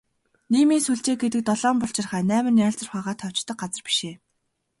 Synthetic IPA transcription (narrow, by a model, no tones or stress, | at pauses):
niːmiːsuɮt͡ɕeːɡ̚et̪̬ɘ̆k̚t̪ɔɮɔːmpɔɬt͡ɕɪ̆rχæːnæːmɘ̆njaːɮt͡sə̆rχaːʁaːt̪ʰɔw̥t͡ɕt̪ɞ̆k̚ɢat͡sə̆rpi̥ʃeː